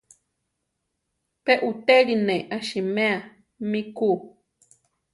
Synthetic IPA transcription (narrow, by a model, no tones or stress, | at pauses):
peʔut̪eɾinẽʔaʃimẽa | mĩku